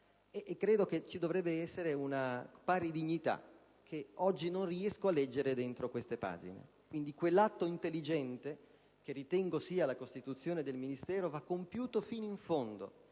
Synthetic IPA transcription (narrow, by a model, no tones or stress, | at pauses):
eʔːkːɾeːd̪oket͡ʃid̪ovɾɛbːeɛsːeɾeunapaːɾid̪iɲːit̪a̰ | kʰeɔd͡ʒːinonriɛskoalːɛd͡ʒːeɾed̪ent̪ɾokwest̪epa̰ːd͡ʒḭnḛ | kwind̪ikwelːat̪ːoint̪elːid͡ʒɛnt̪e | k̟erːit̪ɛŋɡosiːalakost̪it̪ut̪sːjoːned̪elminist̪ɛːɾovakːompjuːt̪ofinoiɱfond̪o̰